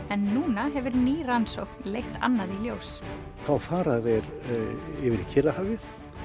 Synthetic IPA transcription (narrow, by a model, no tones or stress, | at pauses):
ɛnːuːnaɦɛvʏɾniːransowknlejxt̪a̰nːaðiljows | θawfaːɾaðɛɾ | ɪvɪɾcʰɪrahavɪθ